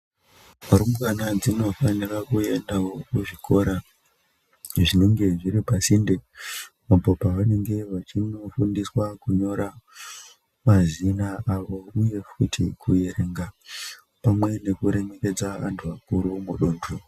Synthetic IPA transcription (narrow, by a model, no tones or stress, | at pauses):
muɾumukanad͡zino̞fanirakue̞ndaokuʐikʰo̞ɾa | ʐineŋɡe̞ʐiɾipasinde | opopaʋane̞ŋɡe̞ʋat͡ʃino̞fundiswakuɲo̞ɾa | mazinaaʋo̞uje̞futʰḭkʰuje̞ɾe̞ŋɡa | pamwe̞ne̞kuɾe̞me̞ke̞d͡zaantʰuakuɾumuɗoːndʰu